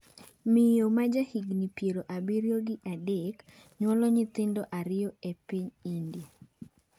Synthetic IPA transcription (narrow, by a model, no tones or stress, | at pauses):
mɪjomad͡ʒahiɡnipjeɾoʔabiɾjoɡɪʔadek | ɲwɔlɔɲɪt̪ɪndɔʔaɾɪɔepiɲinde